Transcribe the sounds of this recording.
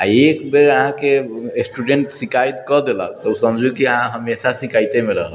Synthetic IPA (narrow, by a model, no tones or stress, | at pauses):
a̰ekbeəɦãkesʈuɖeɳʈsikajt̪kɔd̪ela̰t̪əusəmd͡ʒʱukiəɦãɦəmesasikajt̪emeɾəɦəl